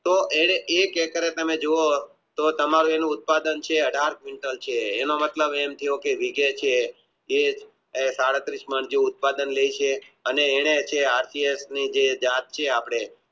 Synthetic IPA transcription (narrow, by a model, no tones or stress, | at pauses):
t̪oʔeɽeʔekekəɾet̪əmed͡ʒoo | t̪ot̪əmaɾũenũʊt̪̚pad̪ənt͡ʃʰeəɖʱaɾkʋiɳʈəlt͡ʃʰeːnomət̪ləbemt̪ʰijokeʋiɡet͡ʃʰe | e | saɽət̪ɾisməɳd͡ʒũʊt̪̚pad̪ənleit͡ʃʰeəneːɽ̃et͡ʃʰeaɾsiesnid͡ʒed͡ʒat̪̚t͡ʃʰeapɽ̃e